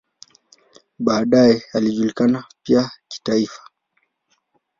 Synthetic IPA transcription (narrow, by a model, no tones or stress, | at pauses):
ɓaːɗajɛaliʄulikanapiaki̥taifḁ